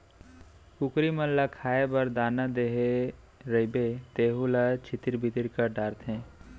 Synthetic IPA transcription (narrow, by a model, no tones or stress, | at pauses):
kukɾimə̃nlakʰaːebɐɾd̪aːnad̪eɦe | ɾəibet̪eːɦulat͡ʃʰit̪iɾbʱit̪iɾkəɖaːɾt̪ɦɛ̃ː